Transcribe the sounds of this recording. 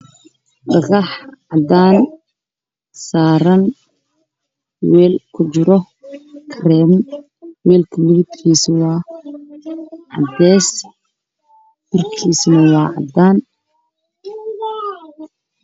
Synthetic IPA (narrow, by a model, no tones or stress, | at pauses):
ɖɑɣɑħʕɑd̪aːn | saːɾɐn | wɛːlkʰʊt͡ʃɪɾɔ | kʰɾɛːm | wɛːlkʰɐmɪɪt̪kʰiːswɑː | ʕɑ̰d̪ɛːs | bɪrkʰiːsnɐwɑːʕɑ̰d̪aːn